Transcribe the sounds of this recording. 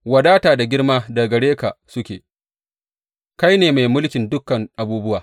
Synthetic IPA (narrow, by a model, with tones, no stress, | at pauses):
wɐ˨daː˦taː˨da˨ɡʲɪ˦ɽmaː˦da˨ɡɐ˨ɽeː˦ka˨sʊ˦kʲeː˨ | ka˦jneː˨ma˨jmʊ˦lkʲɪ˨ndʊ˦kːɐ˨ŋʔa˨buː˦bʊ˦waː˨